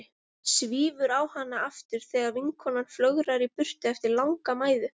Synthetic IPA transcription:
sviːvʏɾaːwhanːaaft̪ɪɾ̥θɛːɣaɾviŋkʰɔnanflœɣɾaɾipʏr̥t̪ʏɛft̪ɪɾlawŋkamaːjðʏ

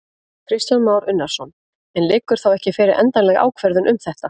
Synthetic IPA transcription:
kʰɾɪst̪janmaːwɾʏnːaɾ̥sɔn | ɛnlɪːkʏɾ̥θawɛhcɪfɛːɾɪɾʔɛ̰nt̪anlɛɣa̰ːwkʰvɛɾðʏnʔʏmθɛht̪a

